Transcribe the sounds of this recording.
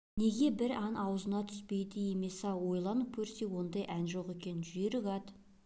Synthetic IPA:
ne̞ɡʲe̞bɪɾɑnʔɑwzənɑt̪ʰʏ̥spe̞jd̪ɪje̞me̞sɑwo̞jlˠɑnəp̚kʲʰɵɾse̞wo̞nd̪ɑjʔænʒo̞qe̞kʲe̞nɪnʒʏjeɾɪɡɑd̪

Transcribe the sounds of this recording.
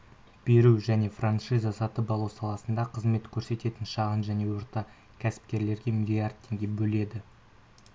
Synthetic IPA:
b̥e̞ɾuʒæne̞franʂijzɑsɑt̪əpɑlˠuwsɑlˠɑsənd̪ɑqʰəzme̞t̪kʲʰɵɾse̞t̪e̞t̪ɪnʃɑʁənʒæne̞wʊɾt̪ɑ | kʲʰæsɪ̥p̚kʲe̞ɾle̞ɾɡʲe̞milʲiard̪̚tʰːe̞ŋɡʲe̞bɵle̞d̪ɪ

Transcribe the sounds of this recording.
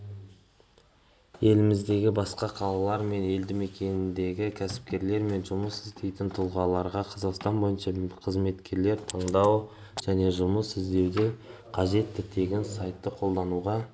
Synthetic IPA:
je̞lɪmɪzd̪e̞ɡʲɪbɑsqɑqʰɑlˠɑlˠɑɾme̞ne̞ld̪ɪme̞kʲe̞nɪnd̪e̞ɡʲɪkʲʰæsɪ̥p̚kʲe̞ɾle̞ɾme̞nʒʊməsɪzd̪e̞jt̪ɪnt̪ʰʊlˠʁɑlˠɑɾʁɑqʰɑzɑqst̪ɑnbo̞jənʃɑqʰəzme̞t̪kʲe̞ɾle̞ɾt̪ʰɑɴd̪ɑw | ʒ̥æne̞ʒʊməsɪzd̪e̞wd̪eqʰɑʒe̞t̪ːɪt̪ʰe̞ɡʲensɑjt̪ːəqʰo̞lˠd̪ɑnuʁɑ

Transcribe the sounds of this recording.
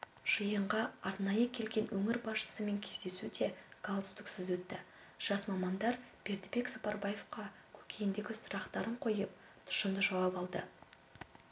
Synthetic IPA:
ʒ̥əjəɴʁɑɑɾnɑjəkʲʰe̞lɡʲe̞nwɵŋɪɾbɑsʃə̥səme̞ŋkʲʰezd̪e̞sud̪e̞ɡ̥alˠd̪əst̪ɪksɪzwɵt̪ːɪ | ʒ̥ɑsmɑmɑnd̪ɑɾb̥e̞ɾd̪ɪbe̞ksɑpɑɾbaje̞fqɑ | kʲʰɵ̥kʲʰe̞jɪnd̪e̞ɡʲɪsʊɾɑqt̪ɑɾəɴqʰo̞jəp̚ | t̪ʰʊ̥ʃənd̪əʒɑwɑpɑlˠd̪ə̰

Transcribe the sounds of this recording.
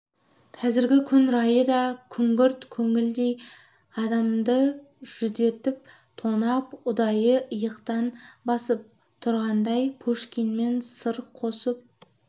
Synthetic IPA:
qʰɑzɪɾɡʲɪkʲʰʏnɾɑjəd̪ɑkʲʰʏŋɡʲʏɾt̪kʲʰɵŋɪld̪e̞j | ɑd̪ɑmd̪ə | ʒ̥ʏd̪e̞t̪ɪp̚ | t̪ʰonɑpʊd̪ɑjəəjəqt̪ɑnbɑsəp̚ | t̪ʰʊɾʁɑnd̪ɑjpʰuʃkʲinme̞nsəɾqʰosəp̚

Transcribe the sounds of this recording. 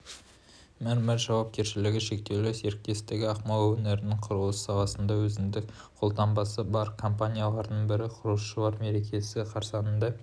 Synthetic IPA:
mæɾmɪɾʒɑwɑp̚kʲe̞ɾʃɪlɪɡʲɪʃe̞k̚t̪e̞wlɪse̞ɾk̚t̪e̞st̪ɪɡʲɪɑqmɑlˠwɵneɾɪnɪɴqʰʊɾʁˠəssɑwɑsənd̪ɑwɵzɪmd̪ɪk̚ | qʰo̞lˠt̪ɑmbɑsəbɑɾkʰo̞mpanʲijalˠɑɾd̪əɴbɪɾɪqʰʊɾlˠəsʃəlˠɑɾme̞ɾe̞kʲʰe̞sɪqʰɑɾsɑnənd̪ɑ

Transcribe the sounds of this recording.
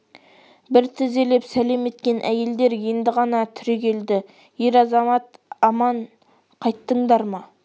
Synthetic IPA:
bɪɾt̪ʰɪze̞le̞psæle̞me̞t̪kʲe̞nʔæje̞ld̪e̞ɾje̞nd̪ɪʁɑnɑt̪ʰʏɾekʲʰe̞ld̪ɪ | je̞ɾɑzɑmɑt̪ɑmɑɴ | qʰɑjt̪ːəɴd̪ɑɾmɑ

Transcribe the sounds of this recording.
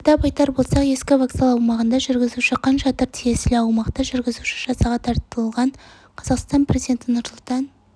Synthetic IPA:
d̪ɑpɑjt̪ɑɾbo̞lˠsɑqje̞skʲɪvɑksɑlˠɑwmɑʁənd̪ɑʒʏɾɡʲɪzuʃɪqʰːɑnʒɑt̪əɾt̪ʰije̞sɪlɪɑwmɑqt̪ɑʒʏɾɡʲɪzuʃɪʒɑsɑʁɑt̪ʰɑɾt̪əlˠʁɑɴ | qʰɑzɑqst̪ɑnpre̞zijd̪ent̪ɪnʊɾsʊlˠt̪ɑn

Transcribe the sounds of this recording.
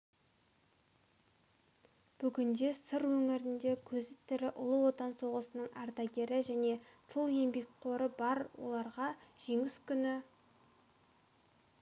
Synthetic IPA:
b̥ʏɡʲɪnd̪e̞səɾwɵŋɪɾɪnd̪e̞kʲʰɵzɪt̪ːeɾɪʔʊlˠəwo̞t̪ɑnso̞ʁəsənəɴɑ̰ɾt̪ɑɡʲe̞ɾɪʒæne̞t̪ʰəlˠje̞mbe̞k̚ʲqʰo̞ɾəbɑɾwo̞̰lˠɑɾʁɑʒ̥e̞ŋɪskʲʰʏnɪ

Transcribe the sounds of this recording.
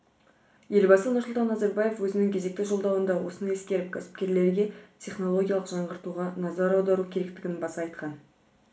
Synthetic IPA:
je̞lbɑsənʊɾsʊlˠt̪ɑnːɑzɑɾbɑje̞fwɵzɪnɪŋkʲʰe̞ze̞k̚t̪ɪʒo̞lˠd̪ɑwənd̪ɑwo̞sənɑje̞skʲe̞ɾɪp̚kʲʰæsɪ̥p̚kʲe̞ɾle̞ɾɡʲe̞tʲʰe̞χno̞lˠo̞ɡʲijalˠəqʒ̥ɑɴʁəɾt̪uʁɑnɑzɑɾɑwd̪ɑɾukʲʰe̞ɾe̞kt̪ɪɡʲɪnbɑsɑɑjt̪qɑn

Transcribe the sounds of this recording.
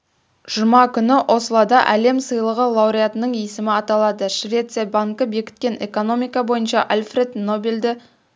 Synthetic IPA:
ʒ̥əmɑkʲʰʏnɪʔo̞səlˠɑd̪ɑʔæle̞msəjlˠəʁəlˠɑwɾijat̪ənəɴesɪmɪɑt̪ɑlˠɑd̪əʃvʲe̞t̪sɨjabaŋkəbe̞kʲɪ̥t̪̚kʲe̞ne̞̰ko̞no̞mijkɑbo̞jənʃɑʔalʲfre̞d̪no̞beld̪ɪ

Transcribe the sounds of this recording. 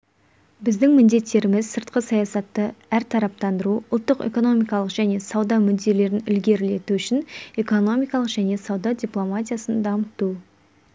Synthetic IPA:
bɪzd̪ɪŋmɪnd̪e̞t̪ːe̞ɾɪmɪzsəɾt̪̚qəsɑjɑsɑt̪ːəæɾt̪ʰɑɾɑp̚t̪ɑnd̪əɾuʊlˠt̪ːəqe̞̰ko̞no̞mʲijkɑlˠəqʒ̥æne̞sɑwd̪ɑmʏd̪ːe̞le̞ɾɪnʏlɡʲe̞ɾle̞t̪uʏʃɪne̞ko̞no̞mʲijkɑlˠəqʒ̥æne̞sɑwd̪ɑdʲiplˠo̞mat̪ʲijasənd̪ɑmət̪u

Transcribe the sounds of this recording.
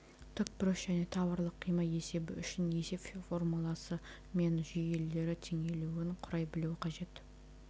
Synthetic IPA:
t̪ʰʏkpɪɾɪʃʒ̥æne̞t̪ʰɑβɑɾlˠəqʰːijməe̞se̞bɪʏʃɪne̞se̞pffo̞rmulˠɑsə | me̞nʒʏje̞le̞ɾɪt̪ʰeŋe̞luwɪɴqʰʊɾɑjbɪluwɪqʰɑʒe̞t̪

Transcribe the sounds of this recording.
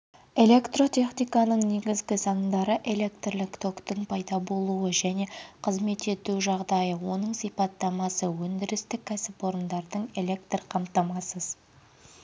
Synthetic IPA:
e̞lʲe̞kt̪ro̞t̪ʰʲe̞χnijkɑnəɴne̞ɡʲɪzɡʲɪsɑɴd̪ɑɾəʔe̞le̞kt̪rlɪkt̪ʰo̞kt̪əɴpʰɑjd̪ɑbo̞lˠuəʒæne̞qʰəzme̞t̪e̞t̪uʒɑʁd̪ɑjəwo̞nəɴsipɑt̪ːɑmɑsəwɵnd̪ɪɾɪst̪ɪkʲʰːæsɪpo̞ɾənd̪ɑɾd̪əɴe̞le̞k̚t̪rqʰɑmt̪ɑmɑsəz̥

